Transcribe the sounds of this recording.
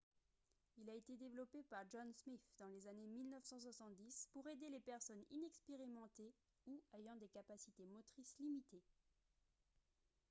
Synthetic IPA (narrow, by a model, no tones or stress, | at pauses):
ilaet̪ed̪evlɔpepaʁʒɔnsmifd̪ɑ̃lezanemilnœfsɑ̃swasɑ̃t̪̚d̪ispuʁed̪elepɛʁsɔnḭnɛkspeʁimɑ̃t̪e | uejɑ̃d̪ekapasit̪emɔt̪χislimit̪e